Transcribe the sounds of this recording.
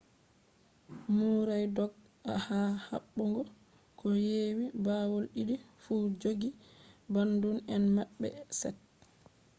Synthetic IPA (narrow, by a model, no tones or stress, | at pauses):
muɾajdɔɡ̚ | a̰haha̰ɓːɔŋɡɔ | kʰɔjewibawolɗidi | fud͡ʒoɡibandunɛnmaɓːɛ̰sɛ̰t̚